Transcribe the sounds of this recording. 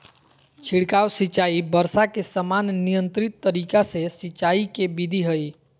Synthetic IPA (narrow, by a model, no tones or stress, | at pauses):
t͡ʃʰiɽkawsit͡ʃaibəɾsakesəmannijənt̪ɾit̪ːəɾikasesit͡ʃaikebid̪ʱiɦəj